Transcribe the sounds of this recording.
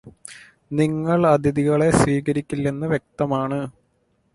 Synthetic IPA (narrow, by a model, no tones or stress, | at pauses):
niŋːɐɭɐd̪ʱiðiɣɐɭe̞sʋiːkɐɾikʲːilːenːɨʋje̞k̚t̪ɐmaːɳɨ